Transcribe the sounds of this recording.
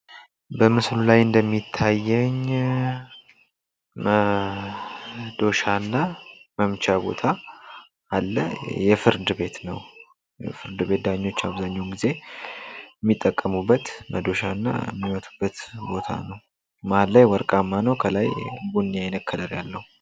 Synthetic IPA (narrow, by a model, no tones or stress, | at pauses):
bəmɨslulajɨnd̪əmːit̪ʰːajːɛɲ | mə | d̪o̞ʃanːaməmt͡ʃʰabo̞̰t̪ʰa | alːə̰jɛfɨɾd̪ɨbe̞t̪nəw | jɛ̰fɨɾd̪ɨβe̞t̪̚d̪aɲːo̞t͡ʃːaβzaɲːawnɡize̞ | mːit̪ʼːəkʼːəmubːət̪mʔəd̪o̞ʃaɨnːa̰ə̰mːimət̪ʰu̥bːət̪bo̞t̪ʰa̰nəw | maallajwɔɾkʼamːanəwkʰəlajbunːijajnəkʰːələɾja̰lːəhu